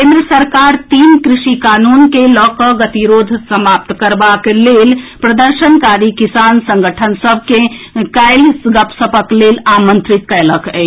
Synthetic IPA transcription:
kẽnd̪ɾəsəɾkaɾt̪inkɾiʃikanunkelɔkəɡət̪iɾod̪ʱsəmap̚t̪kəɾbaklelpɾəd̪əɾʃənkaɾikisansə̃ŋɡəʈʰənsəbʱkekaɪlsɡəpsəpəklelamənt̪ɾit̪̚kɛləkɛ

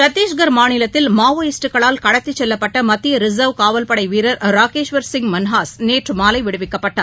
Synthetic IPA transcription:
pɾɐt̪ːiːʃɡɐɾmaːɳɪlɐt̪ːɪlmaːʋɐjɪsʈɯkɐɭaːlkɐɽɐt̪ːit͡ʃːɛlːɐpːɐʈːɐmɐt̪ːɪjɐɾɪzɐʋkaːʋɐlpɐɽɐɪʋiːɾɐɾɾaːkeːʂʋɐɾsɪŋɡmɐnɦaːsneːʈrɯmaːlɐɪʋɪɽɯʋɪkːɐpːɐʈːaː

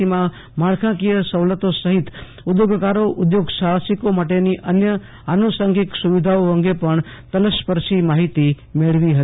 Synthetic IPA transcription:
imã | maɽkʰãkijəsəʋlət̪osəɦit̪ | ʊd̪joɡkaɾoʔʊd̪joɡʃasikomaʈeniʔənjə | anosəŋɡiksuʋid̪ʱaoəŋɡepəɳt̪ələspəɾʃimaɦit̪i | meɭʋiɦət̪i

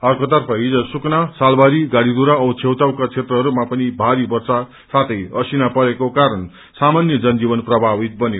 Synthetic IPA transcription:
ʌrkot̪ʌrpʰʌɦid͡zʌsuknasalbaɾiɡaɽid̪uɾaʌt͡sʰewt̪awkat͡sʰet̪rʌɦʌɾumapʌnibʱaɾibʌrsa | sat̪ʰʌjʌsinapʌɾekokaɾʌn | samanjʌd͡zʌnd͡zibʌnprʌbʱabit̪̚bʌnjo

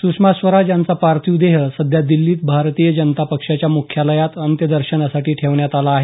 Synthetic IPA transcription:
sukʂmasʋəɾad͡ʑjant͡sapaɾt̪ʰiud̪eɦəsəd̪ʱjad̪ilːiːt̪̚bʱaɾt̪iːjəd͡ʑənt̪apəkʂat͡ɕjamukʰjaləjat̪ənt̪jəd̪əɾɕənasaʈiːʈʰeʋɳjat̪alaːɦe

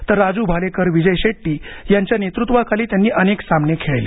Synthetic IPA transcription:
t̪əɾːad͡zuːbʱalekʰəɾʋid͡ʑəjɕeʈːiːjaɲt͡ɕjanet̪ɾut̪ʋakʰaliːt̪janːiːʔəneksamnekʰeɭlḛ

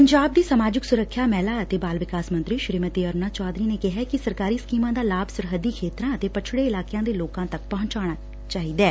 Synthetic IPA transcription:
pəɲd͡ʒaːb̚d̪iːsəmaːd͡ʒɪksʊɾəkʰːjaːmɛːlaːət̪eːbaːlʋɪkaːsmə̃nt̪ɾiːʃɾiːmət̪iːəɾnaːt͡ʃɔːd̪ɾiːneːkɪɦɛːkɪsəɾkaːɾiːskiːmãːd̪aːlaːbsʊɾɦəd̪iːkʰeːt̪ɾãːət̪eːpət͡ʃʰɽeːɪlaːkejãːd̪eːloːkãːt̪ək̚pɐɦʊ̃ɲt͡ʃaːɽ̃aː | t͡ʃaːɦiːd̪ɛː

